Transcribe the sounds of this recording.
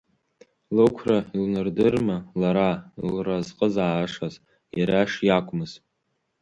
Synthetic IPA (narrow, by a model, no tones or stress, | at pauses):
lɨkʷʰrailnɨrdɨrmalaɾailrazqʼəzaːʂaz | jaɾaʂjakʷʼmɨz̥